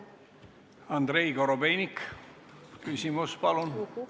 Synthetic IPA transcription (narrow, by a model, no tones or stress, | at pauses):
ɑnd̪ɾe̞jkoɾobejnʲik | kysʲimuspɑlun